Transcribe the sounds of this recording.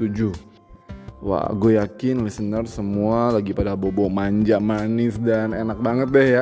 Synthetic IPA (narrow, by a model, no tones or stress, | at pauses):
tud͡ʒu | wa̰ʔɡojakɪnlɛsənərsəmualaɡipadabobɔmaɲd͡ʒaʔmanɪsdanenak̚baŋət̪̚dɛhja